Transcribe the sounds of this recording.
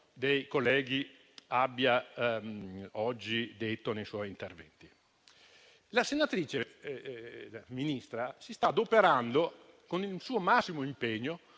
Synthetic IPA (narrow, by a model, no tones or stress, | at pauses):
d̪ejkolːɛːɡi | abːja | ɔd͡ʒːid̪et̪ːonejswɔjint̪ervɛ̰nt̪i | lasenat̪ɾiːt͡ʃe | minist̪ɾasist̪ad̪opeɾand̪o | konilsuːomasːimoimpeɲːo